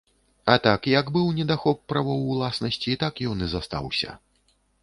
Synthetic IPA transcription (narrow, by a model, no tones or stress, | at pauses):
ɐt̪akjɐɡbɨwnʲɛd̪axɔpːɾavɔwːlˠasnɐsʲt͡sʲiːt̪akjɔnɨzast̪a̰wsʲɐ̰